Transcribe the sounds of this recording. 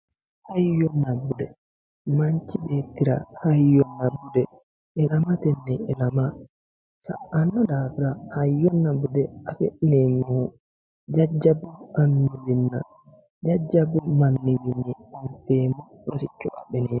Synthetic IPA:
hajjɔnːabudɛ | maɲt͡ʃibetiɾa̰hajːɔnːabudɛ | ɛlamatɛnːɛɛlama | sa̰anːɔdafiɾahajːɔnːabudɛafeɗinɛmahu | d͡ʒad͡ʒːabuʔanːuwinːa̰ | d͡ʒad͡ʒːabumanːiwinːiɔnfɛmu | ɾosit͡ʃːɔ̰ʔa̰ɓɛnɛ

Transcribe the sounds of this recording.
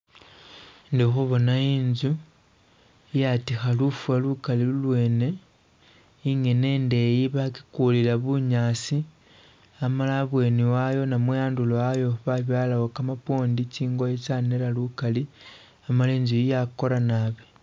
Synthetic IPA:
ndixuβo̞naiːnzu | ijatixalufualukalilulwe̞ːne̞ | iŋe̞ne̞ːnde̞jiβaki̥kulilaβuɲaːsi | amalaβwe̞niwajo̞namwejaːnduloajo̞βaβjaːlawokamapo̞ːndiciːŋɡojet͡ʃanelalukali | amaleːɲzujijako̞lanaβi

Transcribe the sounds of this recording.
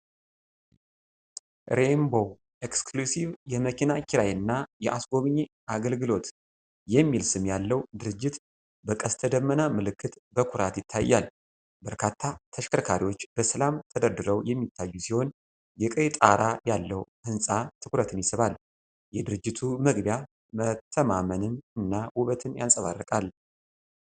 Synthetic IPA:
ɾe̞mbo̞ | ekskʰlusiβjɛməkʰinakʰʲiɾajɨnːajɛʔasɡo̞βɨɲːe | aɡəlɡɨlo̞t̪ | jɛmːilsɨmjalːəwd̪ɨɾɨd͡ʒːɪt̪ | bəkʼəst̪ʰəd̪əmːənamɨlɨkʰːɨt̪bəkʰʊɾat̪jɪt̪ʰːajːa̰l | bəɾkʰat̪ʰːat̪ʰəʃkʰəɾkʰaɾiwo̞t͡ʃːb̥əsəlamt̪ʰəd̪əɾd̪ɨɾəwjɛmːit̪ʰːajːusiho̞n | jɛkʼəjt̪ʼaɾajalːəwhɨnsʼat̪ʰɨkɾət̪ʰɨnjɪsɨβal | jɛd̪ɨɾɨd͡ʒːɪt̪ʰuməɡbja | mət̪ʰːəmamənɨnɨnːawuβət̪ʰɨnja̰nsʼəβa̰rːəkʼal

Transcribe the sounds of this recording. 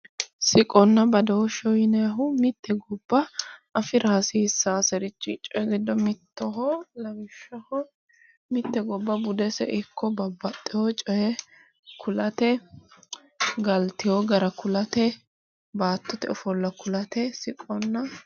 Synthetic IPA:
sɪkʼɔnːɐbɐd̪ɐwɔʃɔjɪnɛjɐɦʊmɪt̪ʰːɛɡɔbːɐɐfɪɾʔaːsisːaːsɛɾɪt͡ʃːɪt͡ʃʼɔjɛɡɪd̪ːɔmɪt̪ːɔɦɔlɐɡɪʃːɐhɔ | mɪt̪ːɛɡɔbːɐbʊd̪ɛsɛ̰ʔɪkʰːɔbɐbːɐt̪ʼːɪhɔt͡ʃʼɔjɛ | kʰʊlɐt̪ɛ | ɡɐlt̪ɪjoɡɐɾɐkʊlɐt̪ɛ | baːt̪ːɔt̪ɛɔfɔlːɐkʊlɐt̪ɛsɪkʼɔnːɐ

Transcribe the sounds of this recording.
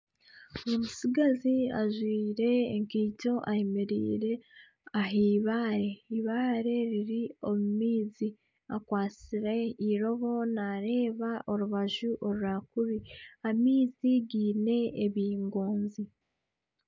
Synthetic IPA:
omusiɡazia̰ʒwiːɾe̞ːŋkiːco̞ʔaemeɾḭːɾe̞ | aɦiːβaːɾe̞iβaːɾe̞ɾiɾio̞mumiːzi | akwaːt͡siɾe̞iɾo̞βo̞naɾe̞ːβaʔo̞ɾuβaʒuʔo̞ɾuɾakuβiamiːziɡiːne̞ːβiːŋɡoːnzi

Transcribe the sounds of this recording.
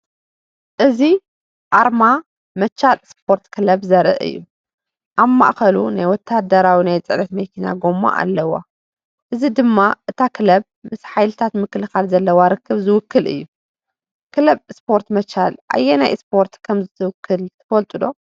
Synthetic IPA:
ʔɨzi | ʔaɾma | mɐt͡ʃːalspʰo̞ɾt̪kʰɨlɐbzɐɾɨ̰ʔɨ̰jːu | ʔaβma̰ʔxɐlṵnajwɔt̪ʰːad̪ɐɾawinajt͡sʼɨʔnɐt̪mɐkʰina̰ɡomːa̰ʔa̰lːɐwa̰ | ʔɨzid̪ɨmːaʔɨt̪ʰakʰɨlɐb̚ | mɨsħajlɨt̪ʰat̪mɨkːɨlɨxalzɐlːɐwaɾɨkʰːɨβzɨwʊkːɨlɨ̰jːu | kʰɨlɐbspʰo̞ɾt̪mɐt͡ʃalʔa̰jːenajspʰo̞ɾt̪kʰɐmzɨt̪ʰɨwʊkʰːɨlt̪ʰɐfɐlt̪ʼulo̞

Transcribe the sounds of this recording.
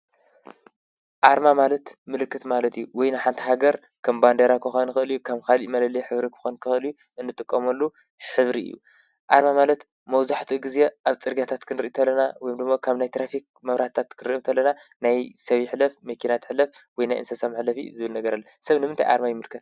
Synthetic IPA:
ʔaɾmamalɐt̪mɨlɨkʰːɨt̪malɐt̪ijuwɔjnajħant̪ʰi̥ɦaɡɐɾ | kʰɐmband̪eɾakʰɨxonɨxʔɨlijukʰaβkʰalimɐlɐliħɨβɾikʰɨ̥xonkʰɨxɨlju | ʔɨnːɨt̪ʼɨkʼːɐmɐlːu | ħɨβɾiɨ̰jːṵ | ʔaɾmamalɐt̪ | mɐwzaħt̪ʰiɡɨze̞ʔaβt͡sʼɨɾɡat̪ʰat̪kʰɨnɾɨʔit̪ʰɐlːɐnawɔjomd̪ɨmːokʰaβnajt̪ʰɾafik̚mɐβɾat̪t̪ʰːat̪kʰɨɾiʔimt̪ʰɐlːɐna | najsɐβiħɨlɐfmɐkʰinat̪ʰɨ̥ħlɐfwɔjnajʔɨ̰nsɐsamɨħlɐfḭzɨβɨlnɐɡɐɾalːɐsɐβnɨmɨnt̪ʰajʔa̰ɾmajɪmɨlkʰːɨt̪

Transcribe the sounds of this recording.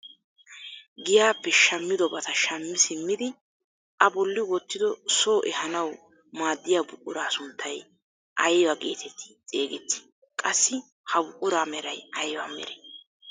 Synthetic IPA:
ɡɪjaːpːɛʃɐmːɪd̪ɔbɐt̪ɐʃɐmːɪsɪmːɪd̪ɪ | ʔɐbɔlːɪwɔt̪ːɪd̪ɔsoːʔɛhɐnɐw | maːd̪ːɪjaːbʊkʼːʊɾaːsʊnt̪ʰːɐj | ʔɐjwɐkʼe̞̰ːt̪ʰɛt̪ʰːɪ̥t͡sʼeːɡɛt̪ːɪ̥ | kʼɐsːɪ | hɐbʊkʼːʊɾaːmɛɾɐjɐjwaːmɛ̰ɾɛ

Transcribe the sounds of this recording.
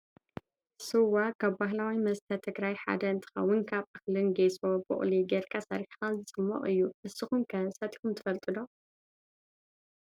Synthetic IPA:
sɨwakʰaβbaɦlawimɐst̪ʰɐt̪ʰɨɡɾajħa̰d̪ɐɨnt̪ʰɨ̥xɐ̰wːʊnkʰaβʔaxlɨnɡesobṵʔʼliɡeɾkʼʰasɐ̰ɾiħxazɨt͡sʼɨmːɐ̰ʔʼɨjːuʔɨsɨxumkʰɐsɐt̪ʼi̥xumt̪ʰɨ̥fɐlt̪ʼɨd̪o

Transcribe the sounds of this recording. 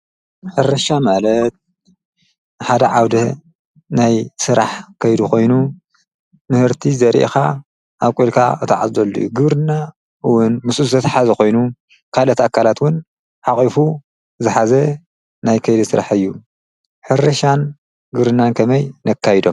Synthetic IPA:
ħɨrɐʃamalɐt̪̚ | ħad̪ɐʕawd̪ɐ | najsɨɾaħkʰɐjd̪uko̞jnu | mɨhɨɾt̪ʰizɐɾḭʔxa | ʔaβkʼulkʰa̰ɨt̪ʰaʕazd̪ɐlːṵjuɡɨβɾɨnːa | wʊnmɨsʼuzt̪ʰɐt̪ħazɐko̞jnu | kʰalɐt̪akʰːalat̪wʊn | ʕaχʼifu | zɨħazɐ | najkʰɐjd̪isɨɾa̰ħɨjːu | ħɨrɐʃan | ɡɨβɾɨnːankʰɐmɐjnɐkʰːajd̪o̞m

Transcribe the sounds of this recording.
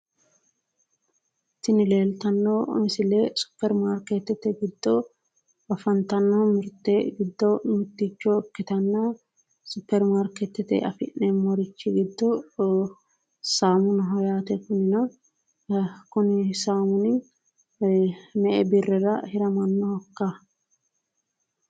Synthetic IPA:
ɪt̪ːɪnɪle̞ːlt̪ɐnːomɪsɪlɛsʊ̥pːɛɾmaɾkɛt̪ːɛt̪ːɛɡɪd̪ːɔ | ɐfɐnt̪ɐnːɐmɪɾt̪ːɛɡɪd̪ːɔnʊt̪ːit͡ʃːɔkːɪt̪ɐnːɐ | sʊpːɛɾmaːɾkɛt̪ːɛt̪ɛ̰ʔɐ̰fɪʔɛmɔɾɪt͡ʃːɪɡɪd̪ːɔ | saːmʊnɐɦɔjaːt̪ɛkʊnɪnɐ | kʊnɪsaːmʊnɪ | mɛʔɛbɪrːɛɾɐhɪɾɐmɐnːɔhɔkːa

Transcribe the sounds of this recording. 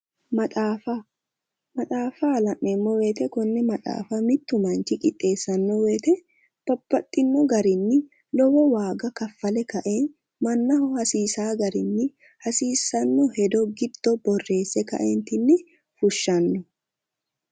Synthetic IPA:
mɐt̪ʼaːfɐ | mɐᶑ̪ʼaːfɐɐlɐʔːɛmːɔweːt̪ɛkɔnːɛmɐᶑ̪ʼa̰ːfɐmɪt̪ːʊmɐnt͡ʃɪkʼɪt̪ʼːe̞ːsːɐnːɔweːt̪ɛ | b̥ɐb̥ːɐt̪ʼːɪnːɔɡɐɾɪnːɪ | lɔwɔwaːɡɐkɐfːɐlɛkɐʔeːn | mɐnːɐhʊhɐsiːsaːɡɐɾɪnːɪ | hɐsiːsːɐnːɔhɛd̪ɔɡɪd̪̥ːɔbɔrːe̞ːsːɛkɐ̰ʔeːnt̪ɪnːɪ | fʊʃːɐnːʊ

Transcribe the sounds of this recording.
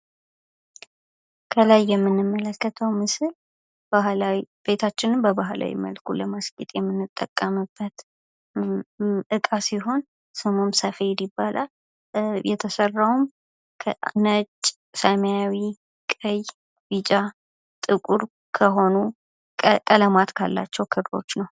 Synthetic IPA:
kʰəlajːɛmːɨnːɨmːələkːət̪ʰəwmɨsɨl | b̥aɦlawib̥e̞t̪ʰat͡ʃːɪnɨmbəbaɦla̰wḭmə̰lkʰuləmaskʼit̪ʼjɛmːɨnːɨt̪ʼːəkʼːəmɨbːət̪ | ɨkʼasiɦo̞n | sɨmomsəfed̪ibːalʔal | jɛt̪ʰəsərːawum | kʰə̰nət͡ʃʼ | səmjawi | kʼəj | bit͡ʃʼa | t̪ʼɨkʼuɾ | kʰəɦo̞nu | kʼələmat̪kʰa̰lːa̰t͡ʃːɛwkʰɨd̪ɾo̞̰t͡ʃːnəw

